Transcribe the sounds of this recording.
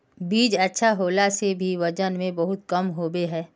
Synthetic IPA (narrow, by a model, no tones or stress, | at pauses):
biːd͡ʒɐtːʃʰaɦoːlasebʱiʋɐd͡ʒənmẽbɐɦʊt̪̚kɐmɦoːbeɦɛː